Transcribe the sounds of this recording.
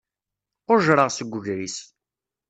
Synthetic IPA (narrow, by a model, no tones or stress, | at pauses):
ʊɾʒɾəʁsəɡʷːʊʝɾis